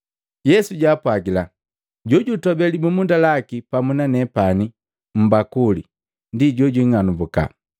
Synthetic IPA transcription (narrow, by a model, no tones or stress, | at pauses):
jɛsuɟaːpwaɡila | ɟɔɟutɔbɛlimumundalakipamunanɛpani | m̩bakuli | ndiɟɔɟwiŋanubuka̰